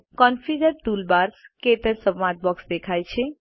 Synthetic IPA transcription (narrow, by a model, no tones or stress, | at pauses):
kɔnpʰid͡ʒəɾʈulbaɾsket̪əɾsəbːat̪̚bɔksd̪ekʰajt͡ʃʰe